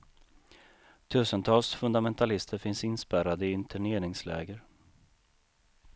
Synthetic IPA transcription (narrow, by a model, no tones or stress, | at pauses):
t̪ʰʉ̟ːsənt̪ʰɑːlsfɵnd̪amɛnt̪ʰalɪst̪ʰəɾfɪnsɪnspæɾad̪əɪɪnt̪ʰæɳeːɾɪŋslɛ̰ːɡəɾ